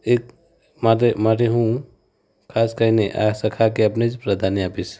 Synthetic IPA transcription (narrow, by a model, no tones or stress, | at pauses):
ek | maɾemaɾeɦũ | kʰaskəneʔa̰səkʰakeəpned͡ʒpɾəd̪ʱaniapis